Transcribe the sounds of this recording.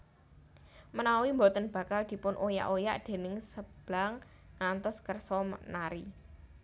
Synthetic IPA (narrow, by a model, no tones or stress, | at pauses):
mənawimbɔt̪ənb̥a̤kald̪̥i̤pʊnʔoja̰ʔoja̰ʔd̪̥e̤nɪŋsəb̥laŋː | ant̪ɔskərsɔmnaɾi